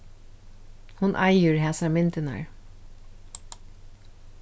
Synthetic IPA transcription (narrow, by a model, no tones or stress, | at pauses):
hʊnʔɑjəɹɦæːsamɪnt̪ɪna̰ɹ